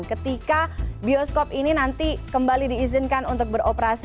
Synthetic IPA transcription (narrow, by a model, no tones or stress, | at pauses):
nkət̪ikabiɔskopininant̪ikəmbalidiːzɪnkanunt̪ʊk̚bəɾopəɾas